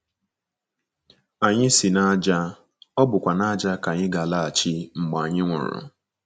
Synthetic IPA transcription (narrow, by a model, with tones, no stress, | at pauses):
a˨ɲɪ˦sɪ˨na˦d͡ʒa˦ | ɔ˦bʊ˨kʷa˨na˦d͡ʒa˦ka˨ɲɪ˦ɡa˨la˦a˨t͡ʃɪ˦ŋ͡m̩˨ɡ͡ba˨ɲɪ˦ŋʷʊ̰˨ɾʊ̰˨